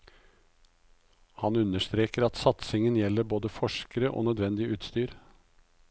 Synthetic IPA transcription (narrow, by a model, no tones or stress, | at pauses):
hɑnʉnəʂt̪ɾeːkəɾɑt̪sɑt̪sɪŋənjɛlːəɾboːd̪əfɔʂkəɾəʔo̰ːnœd̪ʋɛnd̪ɪəʔʉːt̪st̪yːɾ